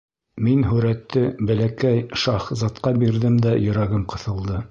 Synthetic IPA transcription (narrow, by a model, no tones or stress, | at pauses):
minɦɵɾæt̪ːɘbælækæjʃɑχzɑt̪qɑbiɾðɘmd̪æjɵ̆ɾæɡɘmqɤ̆θɤ̆lˠd̪ɤ